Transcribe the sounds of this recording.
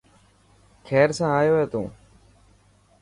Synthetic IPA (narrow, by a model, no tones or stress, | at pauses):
kʰɛːɾsãːaːjoːeːt̪ṵ̃ː